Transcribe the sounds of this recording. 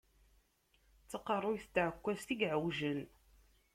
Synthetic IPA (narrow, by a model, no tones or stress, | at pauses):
t͡sːəqərˤːʊjθt̪ːʕəkʷːæst̪iɡʕəwʒən